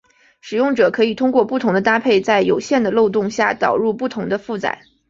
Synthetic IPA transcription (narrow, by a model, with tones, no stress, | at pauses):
ʂɻ̩˨˩jʊ˥˩ŋʈ͡ʂɤ˨˩kʰɤ˧˥i˨˩t̪ʰʊ˥ŋkwɔ˥˧pu˥˩t̪ʰʊ˧˥ŋd̪ə˧t̪a˥pʰe˥˩ɪt͡sa˥˩ɪjo˨˩ʊɕjɛ˥˩nd̪ə˩lo˥˧ʊt̪̬ʊ˥˧ŋɕja˥˩t̪ɑ̰˨˩ʊɻu˥˧pu˥˩t̪ʰʊ˧˥ŋd̪ə˧fu˥˩t͡sa̰˨˩˦ɪ